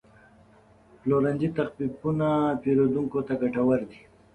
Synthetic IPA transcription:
ploɾand͡ʒit̪axpipunapeɾod̪uŋkot̪aɡaʈawaɾd̪i

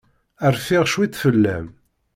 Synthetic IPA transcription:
əɾfɪʁʃwit̪ːfəlːæ̰m

